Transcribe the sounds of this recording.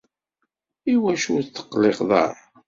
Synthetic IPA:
iwæʃuθːə̥qːleqðˤɑ̰ɾˤ

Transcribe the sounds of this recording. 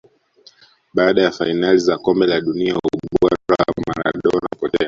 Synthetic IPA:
ɓaːɗajafainalizakɔmbɛlaɗuniauɓaɾawama̰ɾa̰ɗɔna̰upɔtɛ̰a

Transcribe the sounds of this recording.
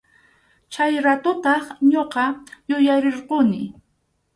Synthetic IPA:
t͡ʃajɾat̪ʊt̪ɑχɲoqɑjʊjaɾeɾqʊnɪ

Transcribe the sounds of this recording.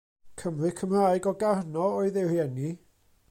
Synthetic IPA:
kʰəmrɨkʰəmraːjɡɔɡarnɔɔɨðɪrjɛni

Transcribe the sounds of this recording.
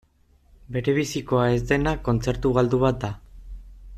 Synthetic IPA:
be̞ɾe̞β̞isiko̞ae̞zd̪e̞nako̞nt͡se̞ɾt̪uɣald̪uβat̪̚d̪a

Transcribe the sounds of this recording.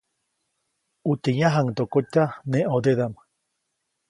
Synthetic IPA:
ut̪eɲaɦaŋt̪okot̪aneʔod̪eðama

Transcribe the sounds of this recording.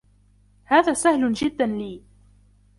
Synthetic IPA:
haːðaːsahlʊnʒɪd̪ːanliː

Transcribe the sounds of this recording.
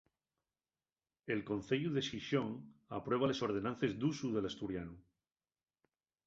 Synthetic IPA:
e̞lko̞nθeʎuðe̞siʃo̞ŋapɾwe̞β̞ale̞so̞ɾð̞e̞nãnθe̞zd̪usuðe̞last̪uɾjanu

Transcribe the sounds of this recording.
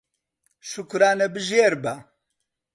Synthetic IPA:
ʃukɾaːnebɨʒeːɾba

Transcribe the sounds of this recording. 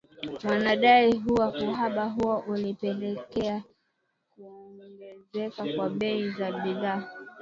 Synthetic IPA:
wanaɗaiɦuwakuɦaɓaɦuɔʔulipɛlɛkɛa | kuɔŋɡɔŋɡɛzɛkakwaɓɛizaɓiðaː

